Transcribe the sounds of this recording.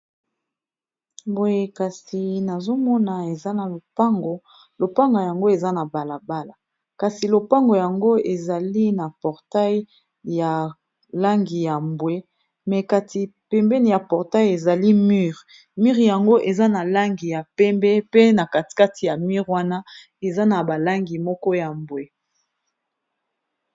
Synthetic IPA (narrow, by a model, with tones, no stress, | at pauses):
bo˨je˨ka˨si˨na˨zo˦mɔ˦na˨e˨za˦na˨lo˨pa˦ŋɡo˨ | lo˨pa˦ŋɡo˨ja˨ŋɡo˦e˨za˦na˨ba˨la˨ba˦la˨ | ka˨si˨lo˨pa˦ŋɡo˨ja˨ŋɡo˦e˨za˨li˦na˨pɔ˨ʁta˦j | ja˨ | la˦ŋɡi˨ja˨mbwe˦ | mɛ˨ka˦tʰi˨pɛ˨mbɛ˦ni˨ja˨pɔ˨ʁta˦je˨za˨li˦my˦ʁ | mi˦ʁja˨ŋɡo˦ʔe˨za˦na˨la˦ŋɡi˨ja˨pɛ˦mbɛ˦pe˦na˨ka˨ti̥˨ka˦ti˨ja˨mi˦ʁwa˦na˦ | e˨za˦na˨ba˨la˦ŋɡi˨mɔ˦kɔ˦ja˨mbwe˨